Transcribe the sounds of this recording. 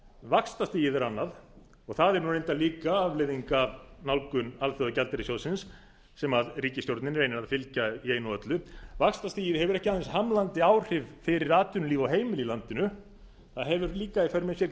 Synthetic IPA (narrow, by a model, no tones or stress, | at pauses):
vakst̪ast̪iːjɪðɛɾanːað | ɔɣθaðɛɾnunẽjnt̪aliːkaavleðiŋkavnawlkʏnalθœðacalt̪ɛɾɪsjowsɪnsː | ɛmaðriːcɪst̪jowɾt̪nɪnɾejnɪɾaðfɪlcaieːjnɔœt̪lʏvakst̪ast̪iːjɪðhɛvʏɾɛhcɪhaθɛnshamlant̪ɪawr̥ɪvfɪɾɪɾaːt̪ʏnʏliːvɔɦeːjmɪlilant̪ɪnʏ | θaðɦɛvʏɾliːkaifɛɾmɪsjɛɾ